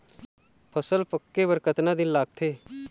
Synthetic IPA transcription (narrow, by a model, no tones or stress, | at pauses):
pʰəsəlpəkːeːbəɾkət̪nãːd̪ɪnlaːɡ̚t̪ʰeː